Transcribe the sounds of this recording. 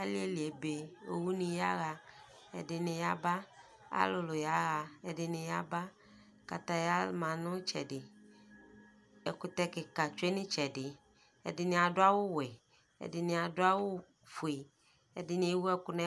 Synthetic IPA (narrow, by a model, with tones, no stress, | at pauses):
a˦li˦e˦li˨e˨be˨o˨wu˦nĩ˨ja˦ɣa˨ | ɛ̰˨dɪ˨nɪ̃˨ja˦ba˦ | a̰˦lʊ˨lʊ˨ja˦ɣa˨ɛ˨dɪ˨nɪ̃˨ja˦ba˦ | ka˨t̪a˨ja˦lmã˨nʊ̃˦t͡ʃɛ̰˨dɪ˨ | ɛ˨kʊ˨t̪ɛ˦kɪ˨ka˨t͡ʃʊ˦e˦nɪ̃˦t͡ʃɛ˨dɪ˨ | ɛ̰˨dɪ˨nɪ̃˨a˨dʊ˦a˦wʊ˦wɛ˨ | ɛ̰˨dɪ˨nɪ̃˨a˨dʊ˦a˦wʊ˦ | fu˨e˨ | ɛ˨dɪ˨nĩ˨˦e˨wu˦ɛ˦kʊ˦nɛ̃˦